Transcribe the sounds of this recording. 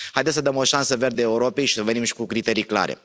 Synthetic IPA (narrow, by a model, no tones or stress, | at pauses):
hajd̪essəd̪əmo̞ʃansəve̞rd̪eːuɾo̞pejʃi̥səve̞nimʃi̥kukɾit̪e̞ɾijkla̰ɾʔḛ